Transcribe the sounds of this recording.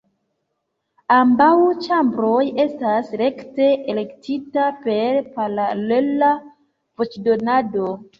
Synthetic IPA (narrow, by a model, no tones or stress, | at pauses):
ambawt͡ʃambɾo̞je̞stasɾe̞kte̞ʔele̞ktitape̞ɾpalalela | vo̞t͡ʃdo̞nado̞